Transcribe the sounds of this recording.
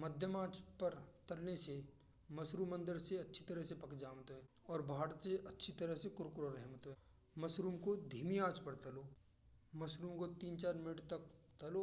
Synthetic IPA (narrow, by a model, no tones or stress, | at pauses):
məd̪ʱjəmaːt͡ʃpɐɾt̪ɐlnese | mɐsɾuːmə̃nd̪əɾseɐtːʃʰi̥t̪əɾəɦsepɐkd͡ʒaːmt̪oɦɛːɔːɾbʱaːɽseɐtːʃʰit̪əɾəɦsekʊɾkɾoɾɛɦmt̪oɦɛ | mɐsɾuːmkod̪ʱiːmiaːt͡ʃpəɾt̪ɐloː | mɐsɾuːmkot̪iːnt͡ʃaːɾmɪnɪʈt̪ɐkt̪ɐlo